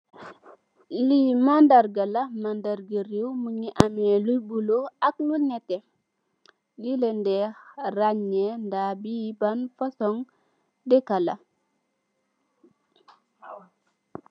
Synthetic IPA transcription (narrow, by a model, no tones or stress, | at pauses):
limandaɾɡalɐmandaɾɡəɾiwmuɲiʔamɛlubuloaklunɛtɛ | lilendɛxraɲːɛndabibanfasɔŋ | dɛkala̰